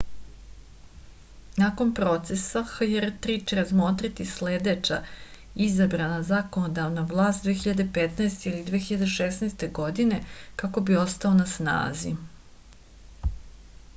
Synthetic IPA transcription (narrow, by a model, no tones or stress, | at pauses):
nako̞npɾo̞t̪sesaxjeɾt̪ɾit͡ʃeɾazmot̪ɾit̪isled̪et͡ʃa̰ | izabɾanazako̞nod̪aʋnaʋlˠaːst̪d̪ʋeːxiʎad̪e̞pet̪naest̪eilid̪ʋeːxiʎad̪eʃesnaest̪e̞ɡo̞d̪ine̞kako̞bio̞st̪ao̞nasna̰ːzḭ